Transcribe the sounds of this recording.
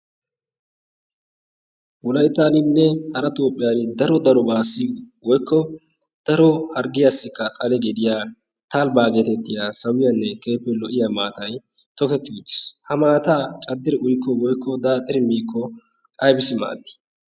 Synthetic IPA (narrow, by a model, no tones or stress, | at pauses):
wʊlɐjt̪ːaːlɪnːɛhɐɾɐt̪oːpʼːɪjaːnɪd̪ɐɾɔd̪ɐɾɔbaːsiwɔjkːɔ | d̪̥ɐɾɔhɐɾɡɪjasːɪkːɐt̪ʼɐlɛɡɛd̪ɪjaː | t̪albaːɡeːt̪ɛt̪ːɪjaːsɐwɪjɐnːɛke̞ːpːɛlɔʔɪjamaːt̪ɐj | t̪ɔkɛt̪ːɪud̪ɪ̥shɐmaːt̪aːt͡ʃʼɐd̪ːɪɾɪʔʊjkːɔwɔjkʰːɔd̪aːt̪ʼɪɾɪmiːkːɔ | kʼɐjbɪsɪma̰ːt̪ːɪ̥